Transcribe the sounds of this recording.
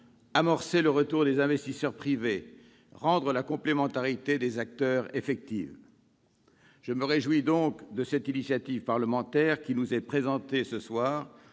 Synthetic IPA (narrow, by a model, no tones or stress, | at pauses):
amɔʁseləʁət̪uʁd̪ezɛ̃vɛst̪isœʁpχive | ʁɑ̃d̪ʁəlakɔ̃plemɑ̃t̪aʁit̪ed̪ezak̚t̪œʁefɛk̚t̪iv | ʒ̥əməʁeʒwid̪ɔ̃kd̪əsɛt̪inisjat̪iv̥paʁləmɑ̃t̪ɛʁkʲinuzɛpχezɑ̃t̪esəswaːʁ